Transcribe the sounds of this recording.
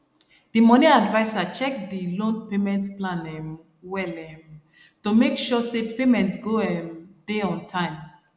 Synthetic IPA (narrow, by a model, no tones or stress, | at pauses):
d̥imɔniadvaɪsat͡ʃɛkdilõnpemɛ̃ntsplãnɛm | wɛlɛm | tomekʃɔsepemɛ̃ntsɡoɛmdeɔ̃ntʰãɪ̃m